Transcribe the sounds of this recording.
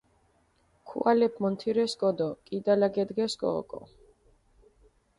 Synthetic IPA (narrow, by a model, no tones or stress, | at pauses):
kʰṵʔalɛpʰmɔnt̪ʰiɾɛsɡɔd̪ɔkʼid̪alaɡɛd̪ɡɛsɡʼɔ̰ːkʼɔ̰